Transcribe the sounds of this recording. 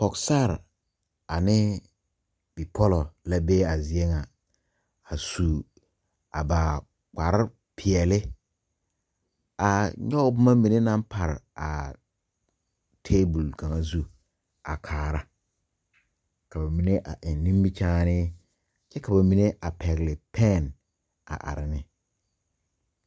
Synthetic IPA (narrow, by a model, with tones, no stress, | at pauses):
pɔ˨ksa˦˨ɾ | a˨nɪ˦ | b̥i˨pʰɔ˦lɔ˨la˦be˦a˨zi˨e˦ŋa˨ | a˨su˨ | a˨ba˨ | k͡pa˨ɾɪ˦ | pʰɪ˨ɛ˨lɪ˦ | a˨ɲɔ˦bʊ˦ma˦mĩ˨ne˦nã˦mpʰa˨ɾ̰a̰˨ | tʰeː˦bʊ˨lka˨ŋa˦zu˦ | a̰˨kʰaː˨ɾa˦ | ka˨ba˨mi˨ne˦ʔa˨ʔɪ˨nː˨ĩ˦mbɪ˦t͡ʃaː˦nɪ˦ | t͡ʃɛ˦ka˨ba˨mi˨ne˦ʔa˨pʰɛ˨ɣɪ˨lɪ˨pʰɛ˦˨n | a̰˨ʔa̰˨ɾɪ˨nɪ˦